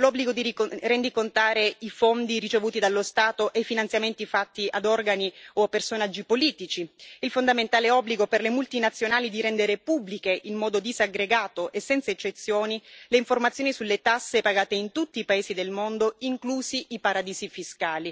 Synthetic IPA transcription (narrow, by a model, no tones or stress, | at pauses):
lɔbːliɡod̪iirend̪ikont̪aːɾeifond̪iɾit͡ʃevuːt̪id̪alːost̪aːt̪oʔejfinant̪sjament̪ifat̪ːiʔad̪ɔrɡanioapːersonad͡ʒːipoliːt̪it͡ʃiilfond̪ament̪aːleɛɔbːliɡoperlemult̪inat̪sːjonaːlid̪iɾɛnd̪eɾepubːlikeʔilmɔːd̪od̪izaɡɾeɡaːt̪oʔesːɛnsaet͡ʃːet̪sːjoːnileiɱformat̪sːjoːnisulːet̪asːepaɡaːt̪eint̪ut̪ːiːpaeːsid̪elmond̪oiŋkluːsiʔipaɾad̪iːsifiskaːli